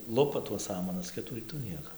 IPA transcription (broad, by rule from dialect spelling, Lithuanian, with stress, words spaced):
ˈlˠʊpɐ tuɔs ˈsɑːmɐnɐs ˈkʲɪtuː ˈrʲiːtuː ˈnʲiɛkoː